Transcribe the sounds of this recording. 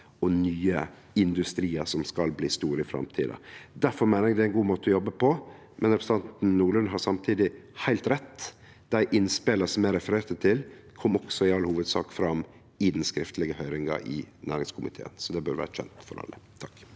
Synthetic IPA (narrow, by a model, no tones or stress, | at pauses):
ɔnyːə | ɪnd̪ʉst̪ɾiːəsɔmskɑlbliːst̪uːɾəɪfɾɑ̰mt̪ʰḭːd̪ə̰d̪æɾfɔɾmæɪnəɾɛɡd̪ɛæɪnɡuːmoːt̪əɔjɔbːəpʰɔ | mʔɛnɾɛpɾsət̪ɑnt̪n̩nuːɭʉnɦɑɾsɑmt̪ʰiːd̪ɪhæɪlt̪ɾɛt̪ː | d̪̥æɪʔɪnspeːləsɔmæɾɛfəɾeːɾt̪ət̪ʰɪlkʰɔmːɔksɔɪɑlhuːʋəd̪sɑ̰ːkfɾɑm | ɪd̪ɛnskɾɪft̪əlɪɡəhœʏɾɪŋɑ̰ʔɪ̰næ̰ːɾɪŋskʰʊmɪ̰t̪ʰḛːə̰nsɔd̪ɛbœɾʋæ̰ːɾʃɛ̰nt̪fɔ̰ɾɑ̰lːə̰t̪ʰɑkː